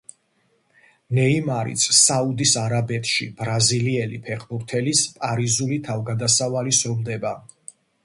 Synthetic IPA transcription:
nɛimaɾḭt̪sʰsaud̪isaɾabɛt̪ʰʃḭb̥ɾaziliɛlipʰɛχbuɾt̪ʰɛlispʼaɾizulit̪ʰavɡad̪asavalisɔmd̪ɛba

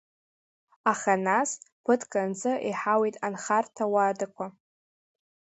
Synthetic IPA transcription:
aχanaspʰɨtʰkʼand͡zʼɨʔiħawejtʼanχartʰawadakʷa

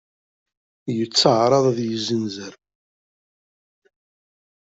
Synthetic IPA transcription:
jət͡sːəʕɾˤɑðˤæðjəzənzəɾ

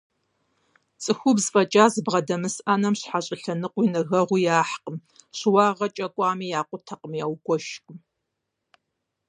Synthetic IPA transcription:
t͡sʼɨxʷʊbzfʼɐt͡ʃʼaːzɨbʁɐdɐmɨsanɐmɕħaɕʼɪɬɐnɨqʷinɐɣɐʁʷʊjaːħqəmɕwɑːʁɐt͡ʃʼɐkʷʼɑːmiːjaːqʷʊtʰɐqʼəmjaːwɡʷɔʃkʼm

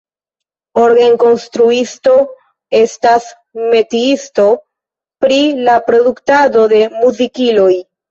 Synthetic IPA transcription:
o̞ɾɡeŋko̞nstɾuisto̞ | e̞stas | me̞tiisto̞ | pɾilapɾo̞duktado̞de̞muzikilo̞j

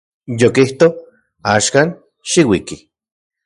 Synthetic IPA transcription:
jokiht̪o | aːʃkaːn | ʃiwiki

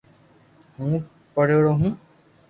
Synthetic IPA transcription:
hũː | pəɽ̤eːɽoːɦũː

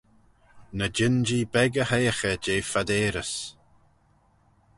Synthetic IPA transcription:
nəd͡ʒɪnd͡ʒiːbɛɡəhejəxəd͡ʒeːfad̪eːɾəs

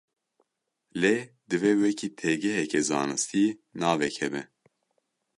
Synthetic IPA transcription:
le | d̪ɨvɛwɛkʰiːt̪ʰɛɡɛɦɛkɛzɑ̰ːnɨst̪ʰinɑːvɛkʰɛbɛ

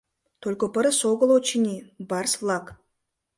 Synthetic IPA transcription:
t̪ʰolʲkopəɾəsoɡəlˠot͡ʃinʲibarslˠak

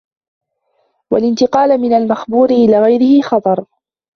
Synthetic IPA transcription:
walɪnt̪ɪqɑːlmɪnalmaxbuːɾɪʔɪlaːɣajɾɪhɪxɑt̪ˤɑɾˤ

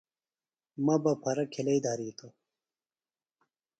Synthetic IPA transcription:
mɐbɐpʰɐɾɐkʰelɐjd̪aːɾiːt̪o

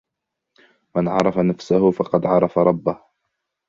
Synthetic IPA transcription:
manʕɑ̰ɾˤɑfanafsahʊfɑqɑd̪ʕɑɾˤɑfaɾˤɑbːah

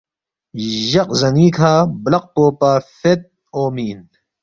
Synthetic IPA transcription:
ʑɐq̚zɐniːkʰaːblɐq̚poːpaːfet̪̚ | oːmiːn

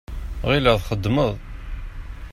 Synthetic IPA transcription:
ʁiləðχəd̪ːməðˤ

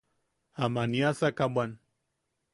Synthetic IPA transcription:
amaniasakabʷan

